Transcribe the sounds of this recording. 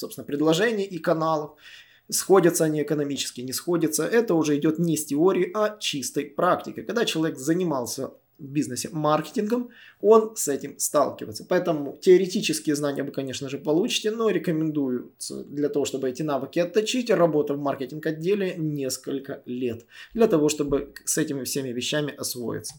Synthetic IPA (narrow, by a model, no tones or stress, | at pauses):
sopst̪ʲɪnəpɾʲɪd̪lˠɐʐɛnʲɪjəʔikɐnalˠəf | sxo̞dʲət̪səɐnʲiɪkənɐmʲit͡ɕɪskʲɪnʲɪsxo̞dʲət̪səʔɛt̪əʊʐɛɪdʲo̞t̪nʲɪsʲtʲɪo̞ɾʲɪːʔɐt͡ɕist̪əjpɾaktʲɪkʲɪkɐɡ̚d̪at͡ɕɪlˠɐvʲekzənʲɪmɑlˠsʲə̰ | vbʲiznɨsʲɪmarkʲɪ̥tʲɪnɡəm | o̞nsɛtʲɪmst̪a̰lˠkʲɪvə̰ɪt̪sə̥pɐɛt̪əmʊtʲɪɐɾʲɪtʲit͡ɕɪskʲɪjəznanʲɪ̰jəvɨkɐnʲe̞ʂnəʐɨpɐlˠut͡ɕɪ̥tʲɪnoɾʲɪkəmʲɪnd̪ujʊt̪sə̰d̪lʲɐt̪ɐvo̞ʂt̪o̞bɨɛtʲɪnavɨkʲɪɐt̪ːɐt͡ɕitʲrɐbo̞t̪əvmarkʲetʲɪnkɐdʲːelʲɪnʲe̞skəlʲkəlʲe̞t̪d̪lʲɐt̪ɐvo̞ʂt̪o̞bɨsɛtʲɪmʲɪfsʲemʲɪvʲɪɕːæmʲɪʔɐsvo̞̰jɪ̰t̪sːə̥